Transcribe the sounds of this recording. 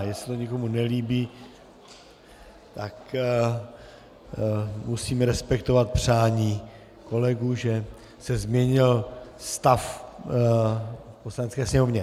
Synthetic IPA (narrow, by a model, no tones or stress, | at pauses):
jɛsɛ̥t̪oɲɛko̞munɛliːbiː | t̪ak | musiːmɾɛspɛkt̪o̞vat̪̚pr̝̥aːɲiː | ko̞lɛɡuʒɛ | sɛzmɲɛɲɪlst̪af | poslanɛt͡skɛːsɲɛmovɲɛ